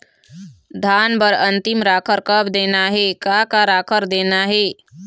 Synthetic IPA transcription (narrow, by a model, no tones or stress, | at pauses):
d̪ʱaːnbəɾə̃nt̪ɪmɾaːkʰəɾkəbd̪eːnaɦɛkakaɾaːkʰəɾd̪eːnaɦɛː